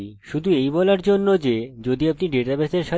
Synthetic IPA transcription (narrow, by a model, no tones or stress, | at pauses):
ʃud̪ʱuejbɔlaɾd͡ʑonːod͡ʑed͡ʑod̪ioapniɖeʈabɛseɾʃa